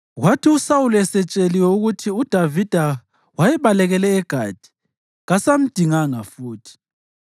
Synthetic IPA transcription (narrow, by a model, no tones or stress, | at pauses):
ɣwatʰiusawuluɛsɛt͡ʃʼeliwɛuɣutʰiud̥ʱavid̥ʱa | wajɛβalɛɣɛlɛːɡ̥ʱaːd̥ʱi̥ | ɣasam̩d̥ʱiŋaŋafuːtʰi̥